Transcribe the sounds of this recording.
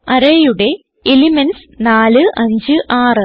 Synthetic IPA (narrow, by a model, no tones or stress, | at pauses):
ɐɾɐjuɽe̞ | elimɐns | naːlɨʔɐɲd͡ʑɨʔaːrɨ